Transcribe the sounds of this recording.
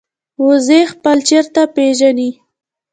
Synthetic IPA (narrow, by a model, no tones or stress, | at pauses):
wʊzexpəlt͡ʃeɾt̪apeʒani